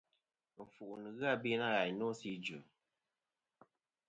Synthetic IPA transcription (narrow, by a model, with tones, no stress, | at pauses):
ɱ̩˨fu˨ʔnɨ˨ɣɨ˦a˦˨bi˦na˦ɣa˨jnɔ˦si˦d͡ʒu˨